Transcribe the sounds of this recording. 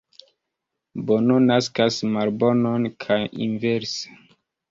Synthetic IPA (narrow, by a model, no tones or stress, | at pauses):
bononaskasmaɾbo̞nonkʰajḭnveɾse̥